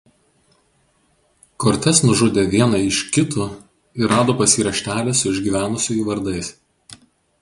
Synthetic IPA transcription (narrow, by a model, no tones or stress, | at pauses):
koːɾʲt̪ʲɛsnʊʒʊd̪ʲeːʋʲiɛnɐɪʃkʲɪt̪u | ɪɾɑːd̪oːpɐsʲiːɾɐʃʲt̪ʲæːlʲɛsʊɪʒʲɡʲiːʋʲæːnʊsʲoːjuʋɐɾd̪ɐɪs